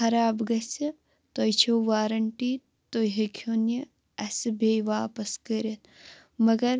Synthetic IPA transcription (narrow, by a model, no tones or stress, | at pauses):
ɐɾaːbɡɐsi | t̪ojt͡ʃʰoʋaːɾɐɳʈiː | t̪oɦekʰjonɐ | ɐsɨbejʋaːpɐskɐɾʲɐt̪ | mɐɡɐɾ